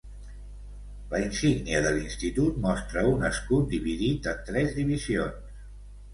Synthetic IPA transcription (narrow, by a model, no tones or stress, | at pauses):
ləinsiɡniəðəlinst̪it̪ut̪̚mɔst̪ɾəunəskut̪̚d̪iβiðit̪ət̪ɾɛzðiβizions